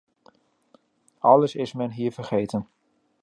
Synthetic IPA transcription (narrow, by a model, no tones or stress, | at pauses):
ʔɑləsɪsmɛnɦiːvərχeːtən